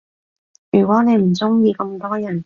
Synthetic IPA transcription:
jyː˨˩kʷwɔː˨˥ne˨˧jm̩˨˩t͡sʊ˥ŋjiː˧kɐ˧mt̪ɔː˥jɐ˨˩n

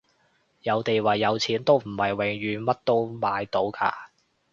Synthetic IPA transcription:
jɐ˨˧wt̪e˨jwaː˨jːɐ˨˧wt͡sʰiː˨˥nt̪o˥wm̩˨˩hɐ˨jwɪ˨˥ŋjyː˨˧mɐ˥t̚t̪o˥wmaː˨˧jt̪o˨˥wka̰ː˧

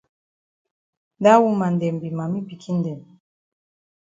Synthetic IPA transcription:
da˦wu˦ma˨n˨dɛ˨mbi˨ma˨mi˦bi˨kʰi˦n˦dɛ˨m˨

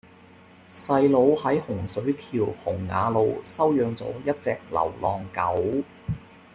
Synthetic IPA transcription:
sɐ˧jlo˨˧whɐ˨˥jhʊ˨˩ŋsɵ˨˥ɥkʰiː˨˩whʊ˨˩ŋːa̰ː˨˧lo˨˧wsɐ˥wjœː˧ŋt͡sɔ̰ː˨˥jɐ˥t̚t͡sɛː˧k̚lɐ̰˨˩wlɔː˨˧ŋkɐ˨˥w

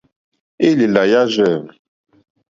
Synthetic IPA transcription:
i˦li˨la˨ja˦ʒɛ˦˨m˨

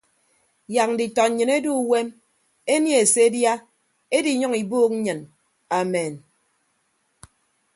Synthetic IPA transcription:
ja˨k̚n̩˨di˨tɔ˨ɲɨ˨ne˦du˦˨we˦m | e˦nje˦e˨se˦e˦dja˦ | e˦di˨˦ɲɔ˦ŋi˨boː˦k̚ɲ̩˦ɲɨ˨n | a˨me˨n

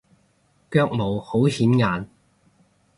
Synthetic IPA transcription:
kœː˥˧k̚mo˨˩who˨˥whiː˨˥nŋaː˨n

